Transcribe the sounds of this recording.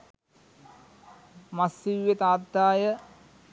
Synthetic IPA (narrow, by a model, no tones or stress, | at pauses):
mɐsːiʋjet̪aːd̪ːaːjə